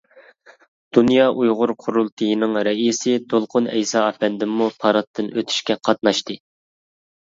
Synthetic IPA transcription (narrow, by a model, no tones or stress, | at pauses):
d̪̥unjɑʔujʁʊɾqʰʊɾulˠt̪ʰɨjinɨŋɾɛisɪd̪olˠqʰʊnɛjsɑɑpɛnd̪ɪmːupʰɑɾɑt̪ʰːɨnøt̪ʰy̥ʃkʲɛqʰɑt̪̚nɑʃt̪ɨ